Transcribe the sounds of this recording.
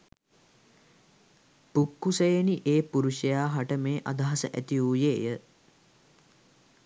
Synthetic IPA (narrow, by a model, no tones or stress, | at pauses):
pukːusejeniʔeːpuɾuʃəjaːɦaʈəmeːʔad̪aɦasəʔæ̰t̪iuːjeːjə